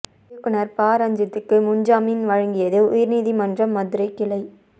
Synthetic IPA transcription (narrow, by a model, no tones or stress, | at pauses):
ɐkːɯnɐɾpaːɾɐɲd͡ʒɪt̪ːɯkːɯmʊɲd͡ʒaːmɪnʋɐɻɐŋɡɪjɐðɯʊjɪɾniːðimɐndrɐmːɐðɯɾɐɪkːɪlɐɪ